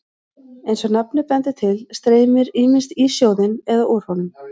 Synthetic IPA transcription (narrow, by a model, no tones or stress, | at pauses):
ejnsɔnapnʏpɛnt̪ɪt̪ʰɪlst̪ɾeːjmɪɾiːmɪnst̪isjoːwðɪnɛðaʔuɾ̥hɔnʏm